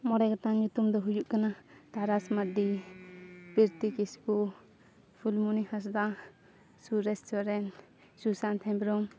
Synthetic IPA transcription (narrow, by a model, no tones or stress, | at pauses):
mɔɾɛkat̪aɲut̪umd̪ɔɦujuʔkanat̪aɾasmad̪i | piɾt̪ikispu | pʰulmunihas̬d̪a | suɾɛstɔɾɛn | susant̪ʰɛ̃bɾɔm